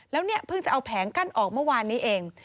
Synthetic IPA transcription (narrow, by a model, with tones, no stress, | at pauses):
lɛː˦˥wni˥˩ɐpʰɯ˥˩ŋt͡ɕa˨˩ʔa˧wpʰɛː˩˦ŋka˥˩nʔɔː˨˩k̚mɯ˥˩əwaː˧nːiː˦˥ʔeː˧ŋ